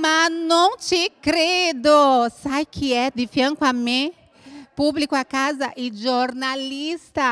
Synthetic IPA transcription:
manɐ̃w̃t͡ʃɪkɾed̪ʊsajkʰɪɛd̪ɪfjɐ̃ŋkwamẽ | publikʊakazɐʔɪʒoɾnalist̪ɐ

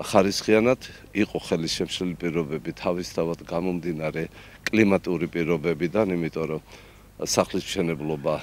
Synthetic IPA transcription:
χaɾisχianad̪ | iqʼɔχɛliʃɛmʃlɛlipʼiɾɔbɛbit̪ʰavist̪ʰavad̪ɡamɔmd̪inaɾɛ | kʼlimat̪ʼiuɾipʼiɾɔbɛbid̪animit̪ʼɔɾɔ | saχlism̥ʃɛnɛblˠɔba

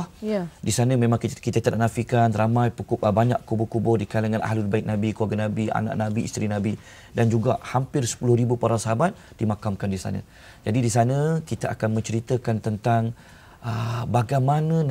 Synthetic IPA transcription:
disanəmẽmãŋkit̪at̪ədaʔnafikanramãjpukʊʔbaɲa̰ʔkubʊkubʊrdikalaŋanʔa̰ɦlulbaɪk̚nabikəlaɡanabia̰na̰ʔnabiist̪ɾinãbi | dand͡ʒuɡa̰ʔhampɪrsə̥pulʊhɾibupaɾasaɦabat̪̚ | d̥imakamkandisa̰nã̰ | d͡ʒadidisanə̃kit̪aʔa̰kanmə̃ɲt͡ʃəɾit̪əkant̪ənt̪aŋ | əbaɡamanə

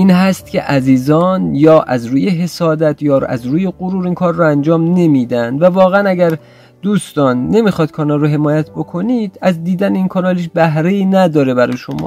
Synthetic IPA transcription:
ʔiːnɦæst̪̚cʰʲe̞̰ʔæziːzɒːnjɒːʔæzɾuːjeɦe̞sɒːd̪æt̪ʰjɒːæ̰zɾuːje̞ɣoɾuːɾiːnkʰɒːɾːɔænd͡ʒɒːmne̞miːd̪ænd̪vævɒːɣeænæɟæɾ | d̪uːst̪ɒːnːe̞miːxɒːid̪̥̚kʰɒːnɒlːoɦe̞mɒːjæt̪̚ʰbo̞kʰo̞nid̪̥æzd̪iːd̪æneinkʰɒːnɒːliʃ̬bæɦɾeiːnæd̪ɒːɾe̞bæɾɔjeʃomɒ̰ː

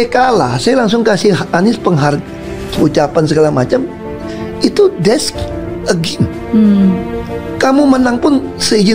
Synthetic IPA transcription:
ekala̰sajalaŋs̬ʊŋkasɪanɪspəŋɦar | ut͡ʃapansəɡalahmat͡ʃam | it̪udɛsk̚əɡɪm | kamumənaŋpʊnsəid͡ʒə

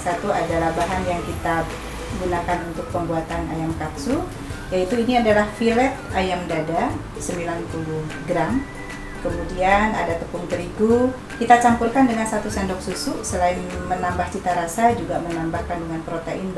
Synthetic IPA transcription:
sat̪uadalahbaɦanjaŋkit̪a | ɡunakanunt̪ʊk̚pəmbuat̪ana̰jamkaksu | jait̪uiniadalahfilɛt̪̚ajamdada | səmbilanpuluhɡɾam | kəmudiana̰dat̪əpʊŋt̪əɾiɡu | kit̪at͡ʃampurkandəŋansat̪usɛndɔk̚susʊʔsəlaɪnmənambaht͡ʃit̪aɾasad͡ʒuɡamənambahkandəŋanpɾot̪einb

